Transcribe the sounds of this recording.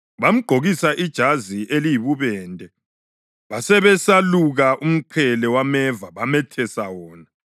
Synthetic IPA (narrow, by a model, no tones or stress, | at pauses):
βam̩ɡ͡ǃʱoɣisaʔid̥ʒ̥ʱaziʔelijiβuβɛːndʱʼɛ | βasɛβɛsaluɣaʔum̩ǃʰɛlɛwamɛvaβamɛtʰɛsawɔːna